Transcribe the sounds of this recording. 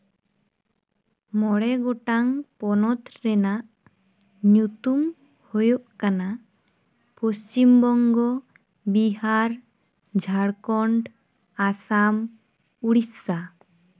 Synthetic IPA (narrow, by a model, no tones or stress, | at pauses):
mɔɽɛɡɔʈaŋpɔnɔt̪ɾɛnaʔ | ɲut̪um | hojoʔkana | post͡ʃimbɔŋɡɔ | biɦaɾ | d͡ʒʱaɽkɔɳɖ | asam | uɽisa